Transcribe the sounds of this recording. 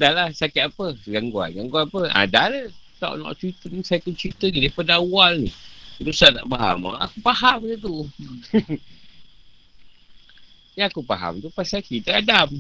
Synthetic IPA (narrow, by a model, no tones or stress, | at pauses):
dalahsakaʔapəɡaŋɡua̰nɡaŋɡuaapəʔa̰dalət̪ɔ̰ʔnɔ̰ʔt͡ʃɾit̪ənisajakənt͡ʃɾit̪əɡidəpadaːwalnidusana̰ʔmaɦa̰ma̰a̰kupaɦamɡət̪̬u | akupaɦa̰mt̪upasakit̪əadam